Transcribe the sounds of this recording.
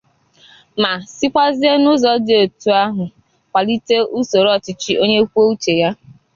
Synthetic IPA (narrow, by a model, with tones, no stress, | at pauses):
ma˨sɪ˦kʷa˦zɪ˦e˦nʊ˦zɔ˨dɪ˨o˨tu˨a˦ɦʊ˨ | kʷa˨li˦te˦ʔu˦so˨ɾɔ˨t͡ʃɪ˦t͡ʃi˦ʔo˦ɲe˦kʷu˦o˦u˦t͡ʃe˨ja˦